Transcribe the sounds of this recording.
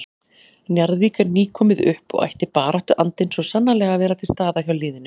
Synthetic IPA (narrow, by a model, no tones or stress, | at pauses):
njaɾðviːkaɾniːkʰɔːmɪðʏ̰hpɔ̰ɣa̰jht̪ɪpaːɾaht̪ʏʔant̪ɪnsvɔsanːalɛːɣavɛːɾat̪ʰɪlst̪aːðaçjawlɪːðɪnʏ